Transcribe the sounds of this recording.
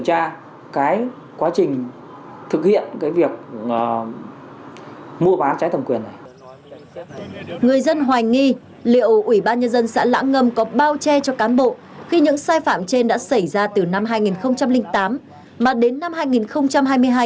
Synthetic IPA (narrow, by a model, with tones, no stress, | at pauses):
t͡ɕaː˧ | kaː˨˦j | kwaː˨˦t͡ɕï˨˩ŋ̟ | t̪ʰɨ˨˩k̚hḭ˧˨ənkaː˨˦jvi˨˩ək̚ː | mu˧əɓaː˨˦t͡ɕaː˨˦jt̪ʰə˨˩mkwi˨˩ənːa˨˩j | ŋɨ˨˩əjzə˧nɦwaː˨˩jŋi˧ | lḭ˧˨əwʔwi˧˩ɓaː˧nɲə˧nzə˧nsa̰ː˧˥la̰ː˧˥ŋŋə˧mkɔ˨˦ɓaː˧wt͡ɕɛ˧t͡ɕɔ˧kaː˨˦nɓo̰˧˨ | xi˧ɲɨ̰˧˥ŋsaː˧jfaː˧˩mt͡ɕe˧nɗa̰ː˧˥sa˧˩jzaː˧t̪ɨ˨˩na˧mɦaː˧jŋi˨˩nxə˧wŋ͡mt͡ɕa˧mlï˧ŋ̟t̪aː˨˦m | maː˨˩ɗe˨˦nːa˧mhaː˧jŋi˨˩nxə˧wŋ͡mt͡ɕa˧mɦaː˧jmɨ˧əjɦaː˧j